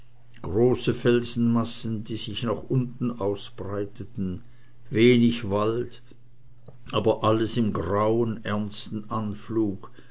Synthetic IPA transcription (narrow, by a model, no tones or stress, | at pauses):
ɡ̥ʁoːsəfɛlzn̩masn̩diːzɪçnaχʔʊntn̩ʔaʊsb̥ʁaɪtətn̩ | veːnɪçvald | ʔaːbɐʔaləsɪmɡʁaʊənɛɐnstn̩ʔanfluːk